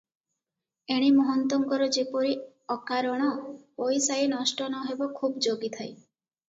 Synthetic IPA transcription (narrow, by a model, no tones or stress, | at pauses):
eɽ̃imɔɦɔnt̪ɔŋkɔɾɔd͡ʒepɔɾi | ɔkaɾɔɽ̃ɔojsajnɔsʈɔnɔɦebɔkʰubd͡ʒoɡit̪ʰaj